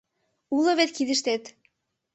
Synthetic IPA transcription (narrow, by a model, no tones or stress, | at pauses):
ulɤ̆βet̪kid̪ə̆ʃt̪et̪